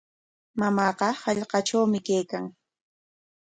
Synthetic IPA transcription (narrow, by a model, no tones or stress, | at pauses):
mamɑːqɑhɑʎqɑʈ͡ʂawmɪkejkaŋ